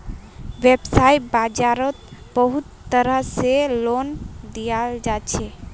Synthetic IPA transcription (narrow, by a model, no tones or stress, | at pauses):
ʋebsaiʈ̚bad͡ʒaɾɔt̪bəɦut̪ːəɾəɦselond̪ijald͡ʒat͡ʃʰɛ